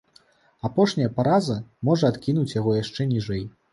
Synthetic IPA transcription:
apɔʂnʲɐjɐpaɾazɐmɔʐɐat̪kʲinut͡sʲjaɣɔjaʂt͡ʂɛnʲiʐɛj

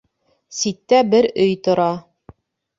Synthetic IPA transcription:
sit̪ːæbɘɾɵjt̪ŏɾɑ

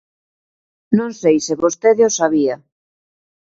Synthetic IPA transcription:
nõŋsejsɪβost̪eðɪosaβia

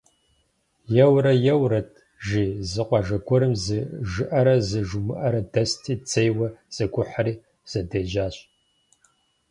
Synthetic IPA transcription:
jɛwɾɐjɛwɾɐt̚ʰ | ʒiːzɨqʷɑʒɐɡʷʰɔɾɨmzɨʒɨʔɐɾɐzɨʒʊmɨʔɐɾɐdɐstʰiːd͡zejwɐz̥ɐɡʷʊħaɾiː | z̥ɐdeːʒaːɕ

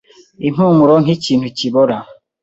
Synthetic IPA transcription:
imuŋuɾɔŋ̩it͡ʃinut͡ʃibɔɾa

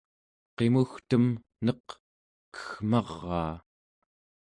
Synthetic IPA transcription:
qe̞muxt̪əm | nʌq | kə̥xmɑʁːɑ̰ː

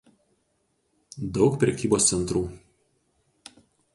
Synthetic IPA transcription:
d̪ɒʊkpʲɾʲɛkʲiːboːst̪sʲɛnˑt̪ɾuː

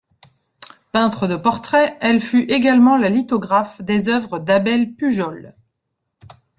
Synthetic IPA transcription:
pɛ̃t̪χəd̪əpɔʁt̪χɛɛlfyʔeɡalmɑ̃lalit̪ɔɡʁafd̪ezœvʁəd̪abɛlpyʒɔl

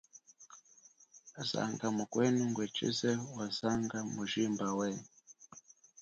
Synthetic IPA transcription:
za̰ŋɡamukwɛniŋɡwɛt͡ʃḭzɛwazaŋɡamuʒimbawɛ

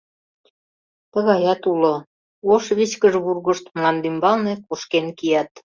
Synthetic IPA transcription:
t̪ə̆ɣɑjɑt̪ulo | oʃβiɕkəʒβurɣə̆ʃt̪mlɑnd̪ymbɑlnekoʃkenkijɑt̪

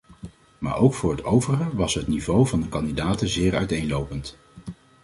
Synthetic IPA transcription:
ma̰ːɹʔowkfʊːɹɦətʰowvərχəʋɑsɦətnivowvɑndəkɑndidaːtəzɪːɹœ̰ɥtejnlowpənt

